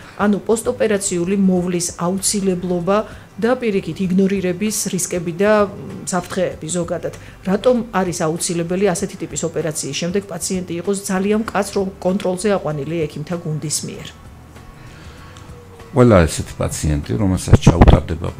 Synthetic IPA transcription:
anupʼɔst̪ʼɔpʼɛɾat̪sʰiulimɔvlisaut̪sʰilɛblˠɔba | d̪apʼiɾikʰit̪ʰiɡnɔɾiɾɛbisɾiskʼɛbid̪asapʰɾt̪ʰχɛːbizɔɡad̪ad̪̥ | ɾat̪ʼɔmaɾisaut̪sʰilɛbɛliasɛt̪ʰit̪ʼipʼisɔpʼɛɾat̪sʰiːsʃɛmd̪ɛɡ̥̚pʼat̪sʰiɛnt̪ʼiːqʼɔsd̪zaliankʼat̪sʰɾɔmkʼɔnt̪ʼɾɔlˠzɛaqʼwaniliɛkʰimt̪ʰaɡund̪ismḭɛ̰ɾ | qʼwɛlaɛsɛt̪ʰi̥pʼa̰t̪sʰiɛ̰nt̪ʼḭɾɔmɛlˠsa̰t̪sʰt͡ʃʰa̰ṵt̪ʼa̰ɾd̪ɛba̰

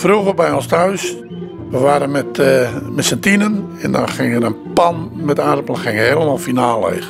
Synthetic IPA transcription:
fruɣərbɛjonstʰœɥs | ʋəʋaːɾənmɛtmɛtsɛntinənɛndɔ̰nxɪŋəɾənpanmɛtarpəlˠxɪŋəhelˠmalˠfinaːlˠḛjɣ

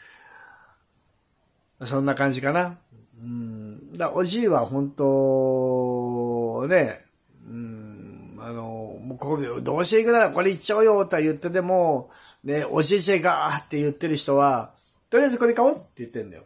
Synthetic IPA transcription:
masõ̞nːakãɲ̟d͡ʑikana | ɯ̟̃ɴd̪aʔoʑiːβahõ̞nt̪o | ne̞ | ɯ̃ | ano̞moːkokʲd̪o̞ːɕt̪eikɯ̟naɾako̞ɾeit͡ɕːaojot̪okajɯ̟t̪ːe̞t̪̬e̞mone̞o̰ʑiɕ̬eɡaat̪ːe̞jɯ̟t̪ːe̞ɾɯ̟çi̥t̪o̞βa | t̪o̞ɾʲiazɨko̞ɾekaot̪ːe̞jɯ̟t̪ːẽ̞nd̪a̰jo̰

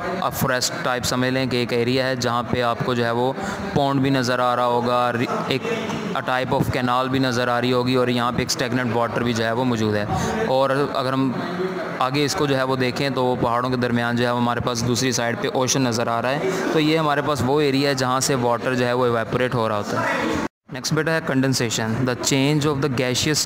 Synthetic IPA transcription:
ɐ̰foɾɛsʈʈːaːɪpsɐməd͡ʒlẽkeeːkeːɾijaɦɛd͡ʒɐɦãpeaːpkod͡ʒoːɦɛʋo | põːɳɖbʱinɐzəɾaːɾaɦoːɡaɾeːk | əʈaːɪpɔːfkɛːnaːlbʱinɐzəɾaːɾiɦoːɡiɔːɾjɐɦãpeːksʈɛːknə̃ɳʈʋɔːʈəɾbʱid͡ʒoːɦɛʋomɔːd͡ʒuːd̪ɦɛːɔːɾɐ̰ɡəɾɦɐm | aːɡeɪskod͡ʒoːɦɛʋod̪eːkʰẽt̪oʋopɐɦaːɽõked̪ɐɾmɪjaːnd͡ʒoːɦɛʋoɦɐmaːɾepaːsd̪uːsɾisaːɪɖpeʔɔːʃənːɐzəɾaːɾaɦɛːt̪oːjeɦɐmaːɾepaːsʋoeːɾijaɦɛd͡ʒɐɦãseʋɔːʈəɾd͡ʒoːɦɛʋoɪʋɛːpoɾeːʈɦoːɾaɦoːt̪aɦɛː | nɛːksʈbeːʈəɾɦɛːkə̃ɳɖɛ̃nseːʃənd̪ət͡ʃẽːnd͡ʒɔːʋd̪əɡɛːʃiəs

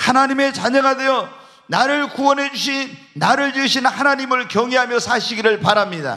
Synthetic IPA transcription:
hanaɲime̞t͡ɕaɲʌɡade̞jʌ | naɾɯɭkuwʌnɦe̞d͡ʑuɕʰin | naɾɯɭd͡ʑuɕʰinhanaɲimɯɭkjʌŋeɦamjʌsʰaɕʰiɡiɾɯɭpaɾamɲida̰

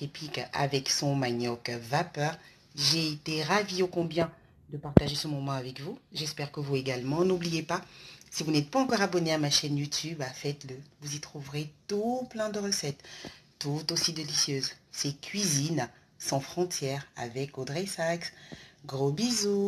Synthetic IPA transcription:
epɥikʔa̰vɛksɔ̃maɲɔkvapœːʁ | ʒeet̪eʁaviokɔ̃bjɛ̃ | d̪əpaʁt̪aʒesəmɔmɑ̃avɛkvuʒɛspɛʁkəvueɡalmɑ̃nublijepasivunɛt̪̚paɑ̃kɔʁabɔneamaʃɛnjut̪ybafɛt̪ləvuzit̪χuvʁet̪uplɛ̃d̪əʁəsɛt̪ː | ut̪osid̪elisjøzsekʰʲɥizin | sɑ̃fχɔ̃t̪jɛʁa̰vɛkod̪ʁesaksɡʁobizu

